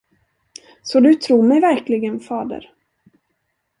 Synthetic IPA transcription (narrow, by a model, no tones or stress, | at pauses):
sɔd̪ɵt̪ʰɾuːɾmɛjvæɾklɪɡənfɑːd̪ə̰ɾ